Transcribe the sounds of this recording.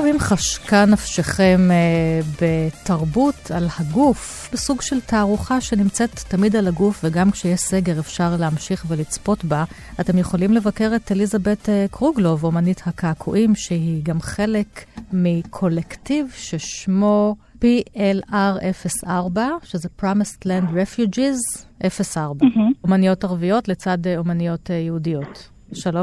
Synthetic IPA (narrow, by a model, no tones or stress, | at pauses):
vimχaʃkanafʃeχe̞mbetaʁbutʰalhaɡufbesuɡʃe̞ltaːʁuχaʃenimt͡setːamidalaɡufveɡamkʃejeseɡe̞ʁefʃaʁleamʃiχvelit͡spo̞tba | ate̞mjeχo̞limlevake̞ʁetelizabe̞tekʁuɡlo̞vo̞manithakaːkʰuʔimʃeɦiɡamχe̞le̞kmikʰo̞lektivʃeʃmo̞ | piʔelaʁʔe̞fesaʁbaʃezepʁamislandʁefjud͡ʒizʔefesaʁbaomanijo̞taʁvijo̞tlet͡sadeomanijo̞tejehudijo̞t | ʃalom